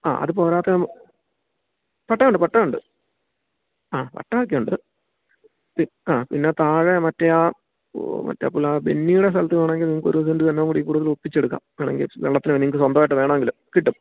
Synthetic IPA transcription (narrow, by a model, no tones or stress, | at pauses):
a̰ːʔɐ̰ðɨpo̞ːɾaːt̪ːɐm | pɐʈːɐuɳɖɨpɐʈːɐmuɳɖɨ | aːpɐ̰ʈːɐak̬ːɐuɳɖɨ | pi | aːpinːe̞t̪aːɻemɐtːɐja | mɐ̰tːɐ̰ːpːulːabe̞̰nːijuɽes̬t̪ɐlɐt̪ːɨʋeːɳɐmeŋɡilniŋːɐkːoɾuʋɐsɐndɨt̪ɐnːeŋɡuːɽɨiːkuːɽuðɐlupːit͡ɕːeɽuk̬ːa̰ːmeːɳeŋɡḭlʋḛɭːɐt̪ːinɨʋniŋːɐkːɨswɐnd̪ɐmaːjiʈːɨʋe̞ːɳɐmeŋɡilumkiʈːum